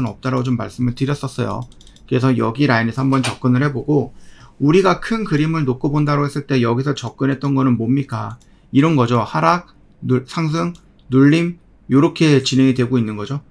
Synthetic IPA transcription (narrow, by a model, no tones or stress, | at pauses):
ɯnʌp̚t͈aɾaot͡ɕomːaɭs͈ɯmɯɭtɯɾjʌs͈ʌs͈ʌ̰jo̰ | kɯe̞s̬ʰʌjʌɡiɾainesʰɦambʌnt͡ɕʌp̚k͈ɯnɯɭhe̞boɡouɾiɡakʰɯnkɯɾimɯɭnok͈̚obondaɾohe̞s͈ɯɭt͈e̞jʌɡisʰʌt͡ɕʌk̚k͈ɯnɦe̞t̚t͈ʌnɡʌnɯnmomɲik͈a | iɾʌnɡʌd͡ʑohaɾak̚ | nusʰaŋs̬ʰɯŋ | nuʎːim | joɾʌkʰe̞t͡ɕinɦe̞ŋidwe̞ɡoinːɯnɡʌd͡ʑo